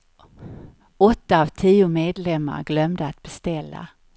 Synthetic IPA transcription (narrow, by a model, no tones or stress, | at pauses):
ɔt̪ːaːvt̪ʰiːʊmeːd̪lɛmːa̰ɾɡlœmd̪əat̪̚b̥ɛst̪ɛlːa̰